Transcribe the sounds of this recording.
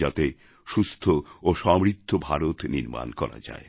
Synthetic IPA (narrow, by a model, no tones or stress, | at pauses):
at̪e | ʃust̪ʰooʃɔmɾit̪ʰːobʱaɾot̪niɾma̰nkɔɾa̰d͡ʑa̰e